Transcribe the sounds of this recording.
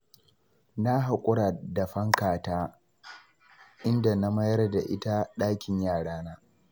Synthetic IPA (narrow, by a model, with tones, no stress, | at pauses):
na˦ɦa˨kʷʼʊ˦ɽa˨da˨ɸɐ˦ŋkaː˨taː˦ | ʔɪ˦nda˨na˦mɐ˦jɐ˦rda˨ʔɪ˦ta˦ɗaː˦kʲɪ˨ɲjaː˦˨ɽaː˦naː˦